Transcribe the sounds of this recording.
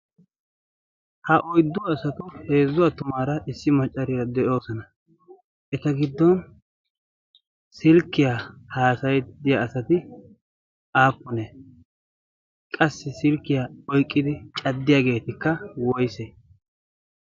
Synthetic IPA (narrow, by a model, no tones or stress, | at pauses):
hɐʔɔjd̪ːʊwːsɐt̪ʊhe̞ːzːʊwat̪ʊmaːɾɐʔɪsːɪmɐt͡ʃʼːɐɾɪɾɐd̪ɛʔo̞ːsɔnɐ | ʔɛt̪ɐɡɪd̪ːɔn | sɪlkːɪjahaːsɐjd̪ɪjaɐsɐt̪ɪ | aːpːɔnɛ | kʼɐsːɪsɪlkːɪjaɔjkʼːɪd̪ɪt͡ʃʼɐd̪ːɪjaːɡe̞ːt̪ɪkːɐwɔjse